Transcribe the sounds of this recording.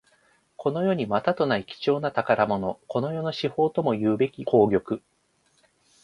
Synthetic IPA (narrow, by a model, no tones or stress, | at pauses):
kʰo̞no̞jo̞ːɲ̟imat̪at̪o̞naikʲi̥t͡ɕo̞ːnat̪akaɾamo̞no̞ko̞no̞jo̞no̞ɕiho̞ːt̪o̞mo̞jɯ̟ːbe̞kʲiko̞ːɡʲo̞kɯ̟